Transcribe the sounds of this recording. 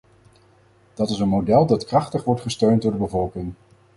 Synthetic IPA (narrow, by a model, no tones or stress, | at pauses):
d̥ɑtɪsənmodɛlˠdɑtkrɑχtəχʋɔɹtχəstøɥntdʊːɹdəbəvɔlˠkɪŋ